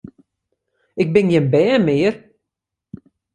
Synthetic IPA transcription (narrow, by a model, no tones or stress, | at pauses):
ɪk̚bɪnjənbɛːmɪːr